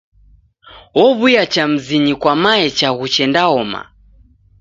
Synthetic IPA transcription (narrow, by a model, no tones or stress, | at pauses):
wɔβujat͡ʃam̩ziɲikwamaɛt͡ʃaɣut͡ʃɛndaɔma̰